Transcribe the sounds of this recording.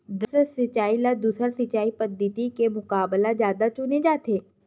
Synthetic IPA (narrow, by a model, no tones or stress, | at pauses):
d̪əsəsɪt͡ʃaːilad̪uːsəɾsɪt͡ʃaːipəd̪it̪ikemʊkaːblazjaːd̪at͡ʃʊned͡ʒaːt̪ʰeː